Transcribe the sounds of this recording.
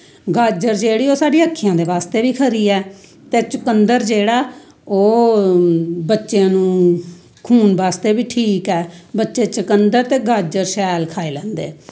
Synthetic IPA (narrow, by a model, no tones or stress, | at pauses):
ɡaːd͡ʒəɾd͡ʒeːɽiːoːsaːɖiəkʰːɪjãːd̪eːʋaːst̪eːbiːkʰəɾiːɛː | t̪eːt͡ʃəkənd̪əɾd͡ʒeːɽaː | oː | bətːʃjãːnũː | kʰuːnbaːst̪eːbiːʈʰiːkɛːbətːʃeːt͡ʃəkənd̪əɾt̪eːɡaːd͡ʒəɾʃɛːlkʰaːeːlɛ̃ːnd̪ḛː